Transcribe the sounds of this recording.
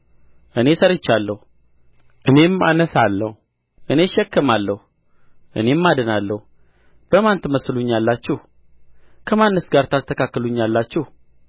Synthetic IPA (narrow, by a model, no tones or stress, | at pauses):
ʔɨne̞səɾɨt͡ʃːalːəhu | ʔɨne̞mːa̰nəsalːəhu | ʔɨneʃɛkːəmalːəhu | ʔɨ̰ne̞mːad̪ɨnalːəhu | b̥əmant̪məsluɲːalːat͡ʃːuh | kʰəmanːəsɡaɾt̪ʰast̪ʰəkʰakːəluɲːalːat͡ʃːuh